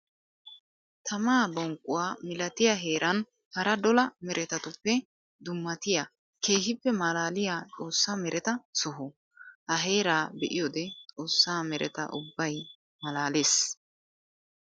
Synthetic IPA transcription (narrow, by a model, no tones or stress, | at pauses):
t̪ʰɐmaːbɔŋkʼːʊwaːmɪlɐt̪ɪjɐɦe̞ːɾʔɐn | hɐɾɐd̪ɔlɐmɛɾʔɛt̪ɐt̪ʊpːɛ | d̪ʊmːɐt̪ɪja | kʰe̞ːhɪpːɛmɐlaːlɪjaːt͡sʼo̞ːsːaːmɛɾʔɛt̪ɐsɔɦɔ | ʔɐɦe̞ːɾaːbɛʔɪjɔd̪ɛt͡sʼo̞ːsːaːmɛɾɛ̰t̪ɐ̰ʔʊ̰bːɐj | mɐlaːleːs